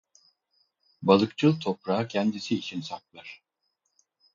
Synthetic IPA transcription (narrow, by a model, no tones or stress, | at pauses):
balˠɯkt͡ʃʰɯlˠt̪ʰo̞pɾaːcʰɛnd̪isiːt͡ʃʰinsak̚lˠaɾ̥